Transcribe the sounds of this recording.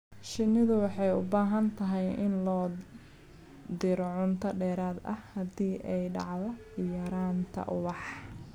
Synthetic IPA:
ʃɪnːɪðʊwɑħɑjʊbaːɦɐnt̪ʰɐɦɛjɪnlɔː | d̪ɪɾɔʕʊnt̪ʰɐɖɛːɾaːd̪ɐhɐd̪iːʔɛjɖɑ̰ʕðɔ | jɐɾaːnt̪ʰɐ̰ʔʊ̰wɑħ

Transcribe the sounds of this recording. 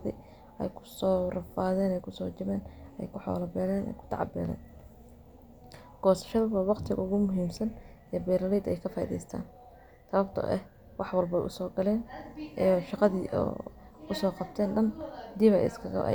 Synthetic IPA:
ðḭ | ɛ̰jkʰʊ̥sɔːrɐfaːðɛːnɛjkʰʊsɔːt͡ʃɪβɛːnɛjkʰʊħɔ̰ːlɐbɛːlɛːnʔɛ̰jkʰʊ̥t̪ʰɑ̰ʕɑ̰bɛːlɛ̰ːn | ɡ̥ɔːsɐ̥ʃɐðʊβɐwɑqt̪ʰɪɣɐ̰ʊɣʊmʊɦiːmsɐnɛbɛːɾɐlɛːd̪ɛjkʰɐfɑðɛ̰jst̪ʰa̰ːn | t̪ʰɐβɐbt̪ʰɐ̰ʔɛh | wɑħwɐlbɛʔʊsɔːɡɐlɛːnː | ʃɑqɑðiːʔɔ̰ː | ʊsɔːqɑb̚t̪ʰɛːnɖɐnd̪ɪβɛ̰jɪ̰skʰɐɣɐ̰ʔ

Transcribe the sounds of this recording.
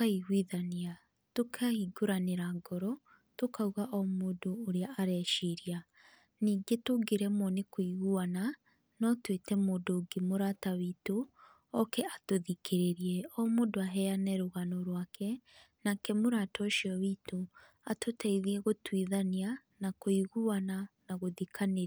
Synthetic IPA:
aiɣwiðania | tokʰaiɡoɾaneɾaɡɔɾɔ | tokauɣaʔɔmodoːɾeaʔaɾɛʃiɾia | niːɡetoɡeɾɛmonekwiɣuana | nɔtwetɛmoːdoɡemoɾataβito | ɔkɛatoðikʰeɾeɾiɛɔmoːdoaɦɛanɛɾoɣanoɾwaːkʰɛnakɛmoɾatɔʃiɔβito | atotɛiðiɛɣotwiðanianakoiɣuananaɣoðikʰane

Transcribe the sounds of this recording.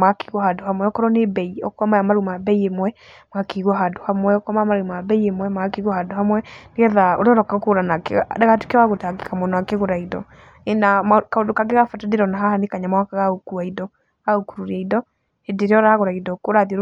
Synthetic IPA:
make̥ɣwɔhadohamwɛɔkɔɾɔnebɛiɔkwamajamaɾumabɛiemwɛ | makeɣwɔɦadohamwɛɔkwamaamaɾumabɛiemwɛmaakeɣwɔhadohamwɛneɣɛðaoɾeɔɾɔkaɣokoɾanakḛɣadaɣatu̥keawaɣotaɡekamɔnɔakeɣoɾaidɔ | enamkaodokaɡeɣafatadeɾɔnaɦahanekaɲamawakaɣaokuaidɔ | aokuɾuɾaidɔ | edeɾeɔɾaɣoɾaidɔkoɾaðɾ

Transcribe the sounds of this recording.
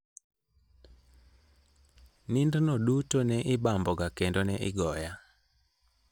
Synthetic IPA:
nindnodutonɛʔɪbambɔɡakendonɛʔɪɡɔja

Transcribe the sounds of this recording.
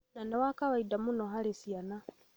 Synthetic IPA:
nanawakawaidamunɔɦalisiana

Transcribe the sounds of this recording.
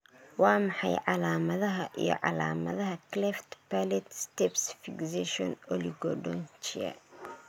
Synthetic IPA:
wɑːmɑħɑjʕɑlaːmɐðɐɦɐʔijɔ̰ʕɑ̰laːmɐ̰ðɐɦɐklɛft̪palɛt̪st̪ɛbsfɪɡsɛʃɔnɔliɡɔɖɔnt͡ʃiɐ̰

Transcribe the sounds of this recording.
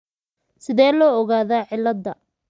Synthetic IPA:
sɪðɛːlɔːɔɣaːðaːʕɪlːɐd̪ːɐ

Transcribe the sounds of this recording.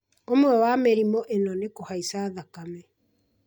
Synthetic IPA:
omwɛwameɾimɔʔenɔnekohaisaːðakamɛ

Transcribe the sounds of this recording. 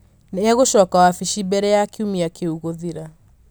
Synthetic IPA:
neaɣoʃɔkawafiʃibɛɾɛakiumiakʰeuɣoðiɾa

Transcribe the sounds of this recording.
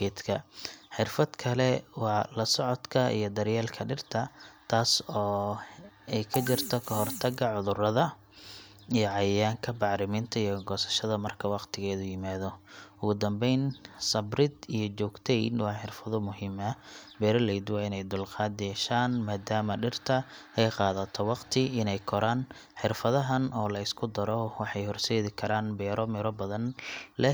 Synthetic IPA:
ɛːd̪kʰɐħɪrfɐd̪kʰɐlɛwɑːlɐsɔʕɔd̪kʰɐḭjɞd̪ɐɾjɛːlkʰɐɖɪrt̪ʰɐt̪ʰaːsɔː | ɛjkʰɐt͡ʃɪrt̪ʰɔkʰɐɦɔrt̪ʰɐɡɐʕʊðʊrɐðɐ | ijɞʕɑjjaːŋkʰɐbɑʕɾɪmɪnt̪ʰɐijɔɡɔːsɐ̥ʃɐðɐmɐrkʰɐwɑqt̪ʰɪɣɛːðʊjɪmaːðɔʔʊɣʊd̪ɐmbɛjnsɐbrɪd̪ijɞt͡ʃɔːɡt̪ʰɛjnwɑːħɪrfɐðɔmʊɦɪːmɐbɛːɾɔlɛjd̪ʊwɐɪnɛjd̪ʊlqɑːd̪ɛʃaːnmaːd̪aːmɐɖɪrt̪ʰɐɛjqɑːðɐt̪ʰɔwɑqt̪ʰɪɪnɛjkʰɔɾaːn | ħɪrfɐðɐɦɐnɔːlɐɪskʰʊd̪ɐɾɔwɑħɑjhɔrsɛːðɪkʰɐɾaːnbɛːɾɔmɪɾɔbɐðɐnlɛ

